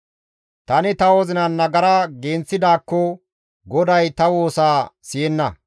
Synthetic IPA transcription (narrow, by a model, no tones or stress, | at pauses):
t̪ɐnɪt̪ɐwɔzɪnɐnːɐɡɐɾɐɡeːnt͡sːɪd̪aːkːɔ | ɡɔd̪ɐjt̪ɐwo̞ːsaːsɪjɛnːɐ